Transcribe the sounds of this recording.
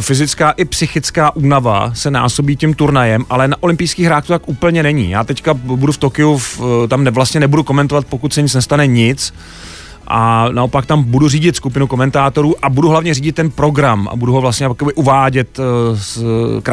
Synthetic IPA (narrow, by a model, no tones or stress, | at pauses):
fɪzɪt͡skaːʔɪpsɪxɪt͡skaːʔuːnava̰sɛna̰ːsobiːcimt̪uɾnajɛmʔalɛnaʔo̞lɪmpɪjskiːɣɦɾaːkt̪ut̪akʔuːpl̩ɲɛnɛɲḭːja̰ːt̪ɛckabuduft̪okɪuft̪amɛvlast̪ɲɛnɛbuduko̞mɛnt̪ovat̪̚po̞kut̪sɛɲɪt͡snɛst̪anɛɲɪt͡s | ʔa̰naʔo̞pak̚t̪ambuduriːɟɪt̪skupɪnuko̞mɛnt̪aːt̪o̞ɾuːʔabuduɦlavɲɛriːɟɪt̪ːɛnpɾo̞ɡɾama̰buduɦovlast̪ɲɛkobɪʔuvaːɟɛt̪skɾa